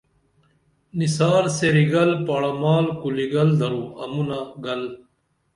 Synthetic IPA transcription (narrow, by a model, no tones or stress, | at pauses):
nisaːɾseɾiɡɐlpaːɽɐmaːlkuliɡɐld̪ɐɾuɐmunaɡɐl